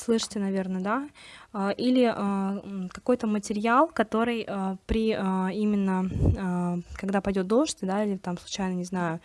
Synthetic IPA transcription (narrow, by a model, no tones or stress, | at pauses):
slˠɨʂɨ̥tʲɪnɐvʲe̞rnəd̪aəʔilʲɪəkɐko̞jt̪əmətʲɪɾʲɪalˠkɐt̪o̞ɾɨjəpɾʲɪəimʲɪnːə | kɐɡd̪apɐjdʲo̞t̪̚d̪o̞ʂtʲd̪ailʲɪt̪amslˠʊt͡ɕæjnənʲɪznajʊ